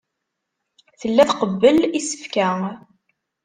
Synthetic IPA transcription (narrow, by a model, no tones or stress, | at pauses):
θəlːæθqəbːəlisə̥fkæ